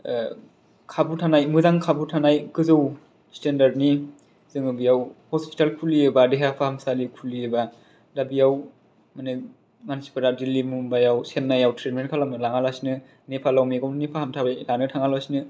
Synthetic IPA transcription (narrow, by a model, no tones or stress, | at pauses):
kʰabutʰanajmɯzaŋkʰabutʰanajkɯzow | stendaɾdni | z̥ɯŋɯbijawhɔspi̥talkʰuliɯbadeɦapʰahamsalikʰuliɯba | dabijaw | manɯ | mansi̥pʰadadilimumbajawsenːajawtʰɾetmenkʰalamɯlaŋalasinɯ | nepʰalawmeɡawnnepʰahamtʰabajlanɯtʰaŋalasinɯ